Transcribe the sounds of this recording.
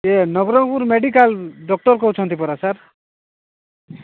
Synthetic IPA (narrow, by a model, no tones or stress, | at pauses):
enɔɡɾɔŋpuɾmeɖikalɖɔk̚ʈɔɾkɔɦut͡ʃʰɔnt̪ipɔɾasaɾ